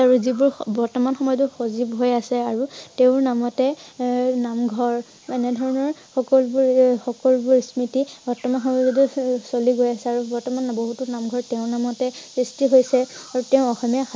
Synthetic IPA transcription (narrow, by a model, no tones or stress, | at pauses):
aɹuzibʊɹbɔɹtɔmanxɔmɔjɔtuxozibɦojasɛaɹuteʊ̃ɹnamɔtɛ | namɡʱɔɹ | ɛnɛdʱɔɹɔnɔɹxɔkɔlbʊɹxɔkɔlbʊɹsmitibɔɹtɔmanxɔmɔjzɔdusoliɡojasɛaɹubɔɹtɔmanboɦutunamɡʱɔɹtɛʊ̃namɔtɛsistiɦojsɛaɹutɛʊ̃ɔxɔmja